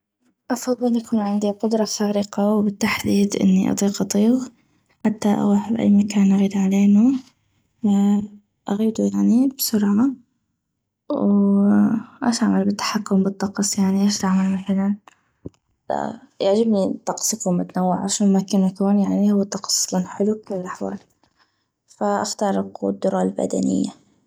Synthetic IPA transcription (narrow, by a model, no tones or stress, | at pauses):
ʔɑfɑðˤːɨlʔakuːnʕɪnd̪iqʊd̪ɾˤɑsaːɾɪqɑwbɪt̪ːaħd̪iːd̪ʔɪ̰nːiʔɑ̰t̪ˤiːqʔɑt̪ˤiːɣ | ħat̪ːaʔa̰ɣaħabʔa̰jːmakaːnʔaɣiːd̪ʕaleːnu | ʔaɣiːd̪ujaʕnibsʊɾʕa | w | ʔaʃʔaʕmalbɪt̪ːḁħakːʊmbɨt̪ˤːɑqɑsˤjaʕniʔaːʃt̪aʕmalmaθalan | a̰jaʕd͡ʒɪbnit̪ɑqsˤɨkʊmʔat̪anawːɪʕa̰ʃaːnmakɪnakuːnjaʕnihʊwːat̪ˤːɑqɑ̥sˤlanħɪlukʊlːɪlʔaħwa̰ːl | faʔaft̪ɑɾˤɪɡ̰d̪ːʊɾˤɑlba̰d̪a̰nɪ̰jːa̰